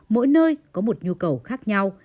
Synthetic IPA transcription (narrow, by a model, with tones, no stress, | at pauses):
mo̰˧˥jnəː˧jkɔ˨˦mo˨˩t̚ɲu˧kə˨˩wxaː˦˥k̚ɲa˧w